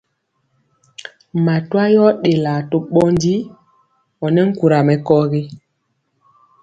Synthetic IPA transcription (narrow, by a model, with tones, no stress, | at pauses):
ma˨twa˦jɔ˦ɗe˨la˨to˨ɓɔ˦n˦di˦ | ɔ˨nɛ˦ŋ̩˦ku˨ɾa˨mɛ˨kɔ˦ɣe˦